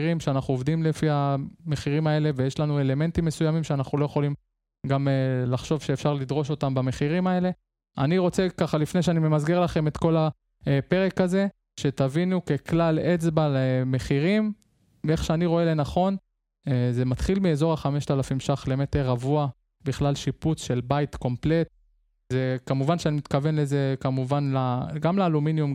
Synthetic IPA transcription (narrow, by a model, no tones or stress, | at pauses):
ʁimʃeanaχuovd̪imlefihame̞χiʁimae̞le̞vejeʃlanue̞le̞me̞ntimːe̞sujamimʃeanaχnulo̞jeχo̞lim | ɡamelaχʃo̞vʃeːfʃaʁlid̪ʁo̞ʃo̞tambame̞χiʁimae̞le̞ | a̰niʁo̞t͡se̞kaχalifneʃeanime̞mazɡe̞ʁlaχe̞me̞t̪ko̞la | pe̞ʁe̞kaze̞ | ʃe̞t̪avinuke̞klalet͡sbaleme̞χiʁim | eχʃeaniʁo̞e̞lenaχo̞n | eze̞mat̪χilmiezo̞ʁaχame̞ʃt̪alafimʃaχle̞me̞t̪eʁːavua | biχlalʃiput͡sʃe̞lbajtko̞mple̞t̪̚ | zekamuvanʃeanimit̪kave̞nleze̞kamuvanlaɡamleːluminjum